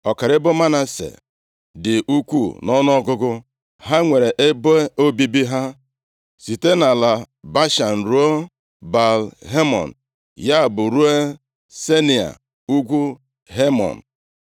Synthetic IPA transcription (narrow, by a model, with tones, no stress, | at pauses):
ɔ˨ka˨ɾɪ˦bʊ˦ma˦na˨sḛ˨ | dɪ˨ʔu˦kʷu˦˨nɔ˦nʊ˦ɔ˦ɡʊ˦ɡʊ˦ | ɦa˦ŋʷe˨ɾe˨ʔe˦bʊ˦e˦o˦bi˦bi˦ɦa˦ | si˨te˦na˨la˨ | ba˦ʃa˨n̩˨ɾu˦o˦ | ba˨lɦe˦mɔ̰˨n̩˨ | ja˦˨bʊ˨ɾu˦e˦ | se˦ni˨a̰˨ | u˦ɡʷu˦ | ɦe˦mɔ̰˨n̩˨